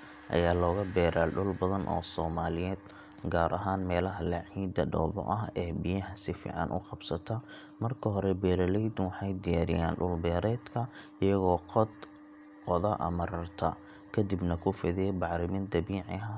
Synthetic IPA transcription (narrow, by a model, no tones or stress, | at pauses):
ʔɐ̰jaːlɔːɣɐbɛːɾaːlɖʊlbɐðɐnʔɔ̰ːsɔːmaːlɪjɛːd̪ | ɡaːɾʔɐɦaːnmɛːlɐɦɐlɐʕiːd̪ɐɖɔ̰ːbɔ̰ʔɐɦɛːbijɐɦɐsɪfḭːʕɑ̰nʔʊ̰qɑbsɐt̪ʰɐ | mɐrkʰɐɦɔɾɛbɛːɾɐlɛjd̪wɑħɑjd̪ɪjaːɾɪ̰ja̰ːnɖʊlbɛːɾɛːd̪kʰɐ | ɪjɐɣɔːqɔd̪ | qɔðɐʔɐ̰mɐɾɐrt̪ʰɐ | kʰɐd̪ibnɐkʰʊfɪðɪjɛbɑʕɾɪmɪnd̪ɐbiːʕɪ̰ɦɐ